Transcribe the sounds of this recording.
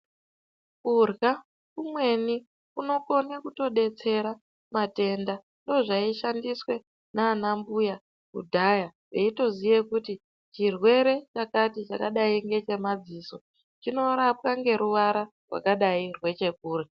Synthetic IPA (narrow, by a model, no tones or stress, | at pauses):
kurɣa | kumwe̞ni | kuno̞ko̞nekuto̞ɗe̞t͡se̞ɾa | mate̞nda | ndo̞ʐaiʃandiswe̞ | naːnambuja | kṵdʱajaʐeito̞zije̞kuti | t͡ʃirwe̞ɾe̞t͡ʃakatit͡ʃakaɗaiŋɡe̞t͡ʃe̞mad͡ziːso̞ | t͡ʃino̞ɾap̚waŋɡe̞ɾuʋaɾa | rwa̰kaɗairwe̞t͡ʃe̞k̚uːre